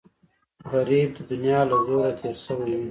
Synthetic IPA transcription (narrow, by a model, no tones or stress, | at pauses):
ɣaɾib̚d̪əd̪ʊnijɑːlazoɾat̪ʰeɾsəweju